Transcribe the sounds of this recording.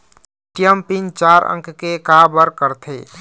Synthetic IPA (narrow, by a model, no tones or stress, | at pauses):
ʈijəmpint͡ʃaɾʔə̰̃ŋkkekabəɾkəɾt̪ʰe